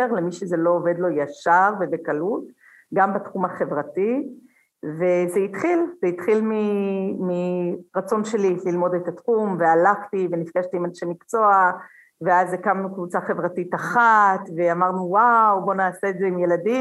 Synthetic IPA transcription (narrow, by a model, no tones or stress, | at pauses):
eʁle̞miʃeze̞loːve̞d̪lo̞jaʃaʁvevekalut | ɡambatχumaχe̞vʁati | vezeitχilzeit̪χilmimiʁat͡so̞nʃe̞lililmo̞detatχumvealaχtivenifɡaʃtiːmaʃemikt͡so̞a | veazekamnukvut͡saχe̞vʁatitaχatve̞amaʁnuwawbo̞naːse̞ːdzeimje̞ladi